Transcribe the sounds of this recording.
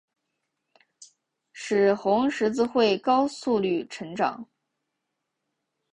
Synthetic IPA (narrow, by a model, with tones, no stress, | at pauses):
ʂɻ̩˨˩xʊ˧˥ŋʂɻ̩˧˥t͡sɹ̩˥˧xwe˥˩ɪkɑ˥ʊsu˥˧ly˥˩ʈ͡ʂʰɤ˧˥ŋʈ͡ʂɑ̰˨˩˦ŋ